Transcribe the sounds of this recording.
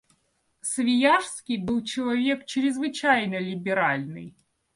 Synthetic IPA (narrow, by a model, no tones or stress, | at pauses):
svʲɪjaʂskʲɪjbɨlˠt͡ɕɪlˠɐvʲekt͡ɕɪɾʲɪzvɨt͡ɕajnəlʲɪbʲɪɾalʲnɨ̰j